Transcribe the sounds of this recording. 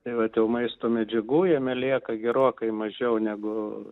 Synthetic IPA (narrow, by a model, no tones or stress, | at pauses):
t̪ɐɪʋɐt̪jɛʊmɐɪst̪oːmʲɛd͡ʒʲɛɡuːjɛmʲɛlʲiɛkɐɡʲɛɾoːkɐɪmɐʒʲɛʊnʲæːɡʊ